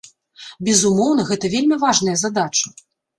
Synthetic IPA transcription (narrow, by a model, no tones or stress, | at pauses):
bʲɛzumɔwn̪ɐɣɛt̪ɐvʲelʲmʲivaʐnɐjɐzad̪at͡ʂɐ